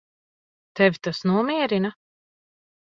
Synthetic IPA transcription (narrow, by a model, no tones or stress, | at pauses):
t̪ɛvʲit̪asnuɔmiɛɾina